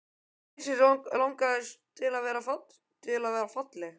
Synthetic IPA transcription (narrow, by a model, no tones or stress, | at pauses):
sɪlawŋkaðɛst̪ʰɪlaðvɛːɾafat̪ | t̪ʰɪlaðvɛːɾafat̪lɛɣ